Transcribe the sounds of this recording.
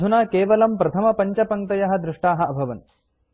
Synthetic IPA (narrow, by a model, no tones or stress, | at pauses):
unaːkeːʋɐlɐmpɾɐt̪ʰɐmɐpɐɲt͡ʃɐpɐŋt̪ɐjɐɦɐ̆d̪ɾɪʂʈaːɦɐɐbʱɐʋɐn